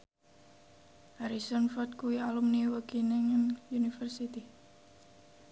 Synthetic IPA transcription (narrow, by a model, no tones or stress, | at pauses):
ʔaɾisɔnfɔt̪̚kuwialumniwəkineŋənjunifərsit̪i